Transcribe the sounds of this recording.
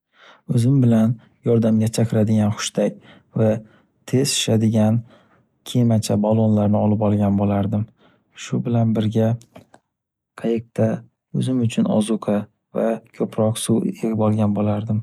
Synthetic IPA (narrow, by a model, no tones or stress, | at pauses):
ɵzɪmbɪlan | jɒɾd̪amɡʲat͡ʃʰakʲʰɪɾad̪ɪɡʲanχʊ̥ʃt̪akʲ | va | t̪ʰe̞z̥ɪ̥ʃad̪ɪɡʲan | kʲʰemat͡ʃʰabalˠonlaɾnɪɒlɪpɒlˠɡʲanbolaɾd̪ɪm | ʃʊbɪlanbɪɾɡʲa | qʰɑjɪq̚t̪ʰa | ɵzɪmʊt͡ʃʰʊnɒ̰zʊqʰɑ | vakʲʰɵpʰɾɒqsueɡʲɪbɒlˠɡʲanbolaɾd̪ɪm